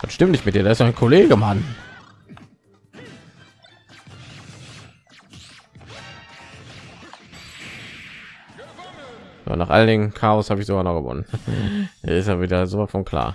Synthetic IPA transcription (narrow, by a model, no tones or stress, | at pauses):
vatʃtɪmtnɪçtmɪtd̥iːɐɾaːɐɪsjaɪnkʰoleːɡəman | ja̰ːnaːχʔa̰ləndɪŋənkʰaːɔshaːbəɪçzoɡaːnɔχɡ̥əvɔ̰nəndḭɐɪstaviːdɐzoːvafɔnkʰl̥a̰ːɐ